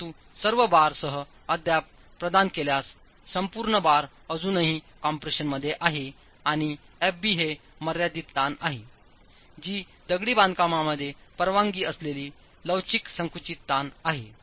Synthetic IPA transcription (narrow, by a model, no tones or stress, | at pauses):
t̪u | səɾʋəbaɾsəɦə | əd̪ʱja | pɾəd̪ankeljasː | əmpuɾɳəbaɾ | əd͡zuːnəɦi | kɔmpɾeɕənməd̪ʱːjeʔaɦe | aɽ̃iɛpbiːɦeməɾjad̪it̪ːanaɦi | d͡ʑiː | d̪əɡɽiːbãnd̪̚kamaməd̪ʱːjepəɾʋãŋɡiːəsleliː | ləwt͡ɕiksəŋkɾut͡ɕit̪ːanaɦe